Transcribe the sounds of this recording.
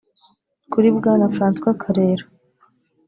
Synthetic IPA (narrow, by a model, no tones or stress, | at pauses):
kuɾibɡaːnafɾaːnskwakʰaɾeːɾa